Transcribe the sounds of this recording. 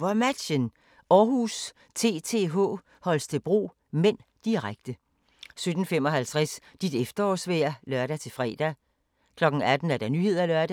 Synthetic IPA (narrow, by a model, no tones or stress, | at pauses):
ʋɒmæd̥ɕən | ɒːɦus | t͡sʰe̝ːt͡sʰe̝ɦɔ̰ː | hɒ̽l̰st͡sʰe̝b̥ʁṵː | men̰d̥iʁaɡ̥̚d̥ə | sød̥n̩fem̰ɒ̽ɦælt͡sʰʁasd̥id̥efd̥ɐɒ̰ːsʋeɐlɶɐɾ̥æt͡sʰe̝fʁɛ̰ːd̥æ | kʰlɒ̽ɡ̥n̩æd̥n̩æɐd̥ɑ̈nyhe̝ð̰ˠɐælɶɐdæ